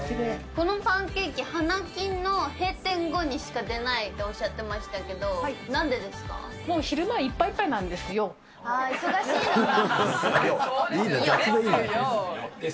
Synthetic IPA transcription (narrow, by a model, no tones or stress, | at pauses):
eko̞no̞ɸãŋke̞ːkʲihanakʲĩnːo̞he̞ːt̪ẽ̞ŋɡo̞ɲ̟iɕi̥kad̪e̞nait̪ːe̞oɕːat̪ːe̞maɕi̥t̪ake̞d̪o̞nãnd̪e̞d̪e̞sɨ̥ka̰ | mo̞ːçiɾɯ̟maipːaipːainãnd̪e̞sɨjo̞ | aiso̞ɡaɕiːn | iːeɡasid̪eiːneoe